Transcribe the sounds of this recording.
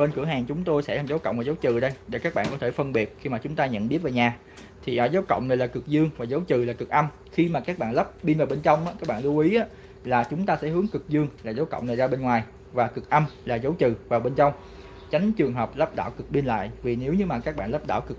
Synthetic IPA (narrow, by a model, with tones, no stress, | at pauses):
ɓe˧nkɨ˧˩əɦaː˨˩ŋt͡ɕʊ˨˦ŋ͡mt̪o˧jsɛ̰˧˥laː˨˩zə˨˦wkə̰˧˨wŋ͡mvaː˨˩zə˨˦wt͡ɕɨ̰˧˨ɗə˧jɗe˧˩kaː˦˥k̚ɓa̰ː˧˨ŋkɔ˨˦t̪ʰe˧˩fə˧nɓi˨˩ət̚xi˧maː˨˩t͡ɕʊ˨˦ŋ͡mt̪aː˧ɲə̰˧˨nɓi˦˥ət̚vaː˨˩wɲaː˨˩ | t̪ʰi˨˩ʔəː˨˦zə˨˦wkə̰˧˨wŋ͡mna˨˩laː˨˩kɨ˨˩k̚zɨ˧əŋvaː˨˩zə˨˦wt͡ɕɨ˨˩laː˨˩kɨ˨˩k̚ʔə˧m | xi˧maː˨˩kaː˦˥k̚ɓa̰ː˧˨nlə˦˥p̚ɓi˧nvaː˨˩wɓe˧nt͡ɕa˧wŋ͡mʔaː˨˦kaː˦˥k̚ɓa̰ː˧˨nlɨ˧wʔi˨˦ʔaː˨˦ | laː˨˩t͡ɕʊ˨˦ŋ͡mt̪aː˧sɛ̰˧˥hɨ˨˦əŋkɨ˨˩k̚zɨ˧əŋlaː˨˩zə˨˦wkə̰˧˨wŋ͡mna˨˩zaː˧ɓe˧nŋwaː˨˩j | vaː˨˩kɨ˨˩k̚ʔə˧mlaː˨˩zə˨˦wt͡ɕɨ̰˨˩vaː˨˩wɓe˧nt͡ɕa˧wŋ͡m | t͡ɕa˨˦jŋ̟t͡ɕɨ˨˩əŋɦəː˨˩p̚lə˦˥p̚ɗa̰ː˧˩wkɨ˨˩k̚ɓi˧nla̰ː˧˨jvi˨˩ne˨˦wɲɨ˨˧maː˨˩kaː˦˥k̚ɓa̰ː˧˨nlə˦˥pɗa̰ː˧˩wkɨ˨˩k̚